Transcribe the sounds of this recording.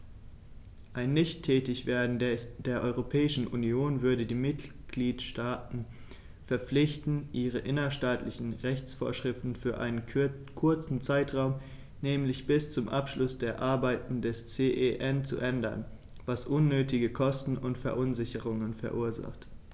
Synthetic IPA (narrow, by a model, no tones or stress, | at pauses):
ʔaɪnːɪçtʰːɛːtɪçv̥eːɐdn̩d̥eːɐʔɔʏʁopʰɛːɪʃn̩ʔṵnioːnvʏɐɾədiːmɪt | ɡ̥liːtʃtaːtn̩ | fɛɐp͡flɪçtn̩ʔiːʁ̞əʔɪnɐʃtaːtʰlɪçn̩ʁɛçt͡sfo̰ːɐʃʁ̥ɪftn̩fyːɐʔa̰ɪnən | kʰʊɐt͡sn̩t͡saɪtʁ̥aʊm | nɛːmlɪçb̥ɪst͡sʊmʔapʃlʊsd̥eːɐʔaɐbaɪtn̩dɛst͡seːʔeʔɛnt͡sṵʔɛndɐ̰n | vasʔʊnːøːtɪɡəkʰɔstn̩ʊntfɛɐʔʊnzɪçəʁ̞ʊŋənfɛɐʔuːɐza̰χt